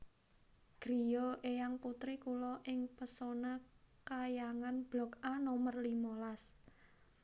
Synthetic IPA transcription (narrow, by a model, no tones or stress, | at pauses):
ɡ̥ɾijɔʔejaŋput̪ɾikulɔʔɪŋpəsonakajaŋanb̥lɔkanɔmərlimolas